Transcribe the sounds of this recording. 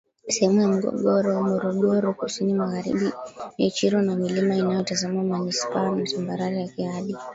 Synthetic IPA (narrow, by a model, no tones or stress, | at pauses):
sɛhɛmujam̩ɡɔ̰ɡɔɾɔmɔɾɔɠɔɾɔkusinimaɣaɾḭɓimɛt͡ʃiɾɔnamilimainajɔtazamamanispaanam̩sambaɾaɾijakiaɗi